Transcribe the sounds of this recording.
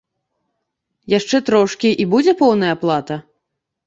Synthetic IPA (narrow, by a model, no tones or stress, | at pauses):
jaʂt͡ʂɛt̪ɾɔʂkʲiʔibud͡zʲɛpɔwn̪ɐjɐaplˠat̪ɐ